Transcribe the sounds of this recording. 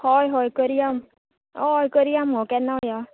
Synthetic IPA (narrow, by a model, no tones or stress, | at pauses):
hɔjɦɔjkəɾiam | ɔjkəɾijamɦɔkɛnːawja